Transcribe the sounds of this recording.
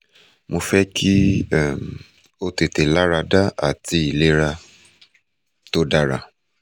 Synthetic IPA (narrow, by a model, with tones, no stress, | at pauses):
mo˧fɛ˦kʰi˦˨m | o˧te˨te˨la˦ɾa˧da˦a̰˦˨ti˧˦i˨le˦ɾa˧ | to˦da˦ɾa̰˧